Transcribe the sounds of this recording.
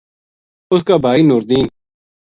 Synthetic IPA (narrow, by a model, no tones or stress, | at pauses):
ʊskaːbʱaːiːnʊɾd̪iːn